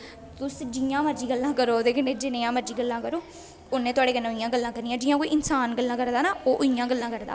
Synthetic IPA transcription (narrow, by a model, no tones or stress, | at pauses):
t̪ʊsd͡ʒijãːməɾd͡ʒiːɡəlːãːkəɾoːd̪eːkʰəneːd͡ʒɪnẽːãːməɾd͡ʒiːɡəlːãːkəɾoː | ʊnːẽːt̪ʊaːɽeːkənːẽːʊijãːɡəlːãːkəɾnijãːd͡ʒiːãːkoːiʔɪnsaːnɡəlːãːkəɾd̪aːnaːoːʔʊijãːɡəlːãːkəɾd̪a̰ː